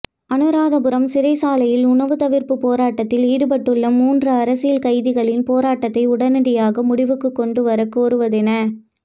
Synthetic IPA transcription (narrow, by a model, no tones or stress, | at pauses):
ɐnɯɾaːðɐbɯɾɐmsɪɾɐɪsaːlɐjɪlʊnɐʋɯt̪ɐʋɪɾpɯpoːɾaːʈːɐt̪ːɪliːðɯpɐʈːɯɭːɐmuːndrɯɐɾɐsɪjɐlkɐɪðɪɣɐɭɪnpoːɾaːʈːɐt̪ːɐɪʊɽɐnɐɽɪjaːɣɐmʊɽɪʋɯkːɯkːɔɳɖɯʋɐɾɐkoːɾɯʋɐðɪnɐ